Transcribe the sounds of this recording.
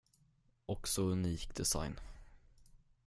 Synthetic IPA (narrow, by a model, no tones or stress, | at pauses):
ʔɔksɔɵniːkd̪ɛsa̰jn